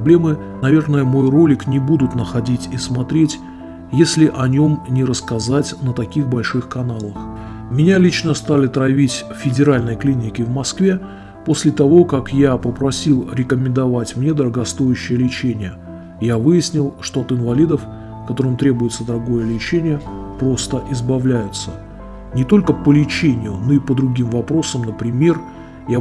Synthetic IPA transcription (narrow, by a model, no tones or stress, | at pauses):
blʲemɨ | nɐvʲe̞rnəjəmo̞jro̞lʲɪknʲɪbud̪ʊt̪nəxɐdʲitʲismɐt̪ɾʲetʲ | jesʲlʲɪʔɐnʲo̞mnʲɪɾəskɐzatʲnət̪ɐkʲixbɐlʲʂɨxkɐnalˠəx | mʲɪnʲalʲit͡ɕnəst̪alʲɪt̪ɾɐvʲitʲ | fʲɪdʲɪɾalʲnəjklʲinʲɪkʲɪvmɐskvʲe̞ | po̞sʲlʲɪt̪ɐvo̞kakjapəpɾɐsʲilˠɾʲɪkəmʲɪnd̪ɐvatʲmnʲe̞d̪əɾəɡɐst̪o̞jʊɕːɪjəlʲɪt͡ɕenʲɪjə | javɨjɪsʲnʲɪlˠʂt̪o̞ɐt̪ɨnvɐlʲid̪əf | kɐt̪o̞ɾɨmt̪ɾʲe̞bʊjɪt̪səd̪əɾɐɡo̞jəlʲɪt͡ɕenʲɪjəpɾo̞st̪əʔɪzbɐvlʲæjʊt̪sə | nʲɪt̪o̞lʲkəpəlʲɪt͡ɕenʲɪjʊno̞ɪpəd̪ɾʊɡʲimvɐpɾo̞səmnəpɾʲɪmʲe̞r | ja